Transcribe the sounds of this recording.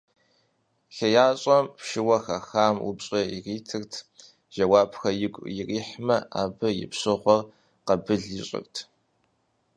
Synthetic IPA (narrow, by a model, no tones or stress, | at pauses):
ɬɐjaːɕʼɐmpʃɪwɐxɐxaːmṵbɕʼɐiriːtʰɨrtʰ | ʒ̥ɐwaːbxɐjɪɡʷʼjɪriːħmɐaːbɐjɪ̰pɕɨʁʷɔr | qɐbɨɮiɕʼɪ̰rtʰ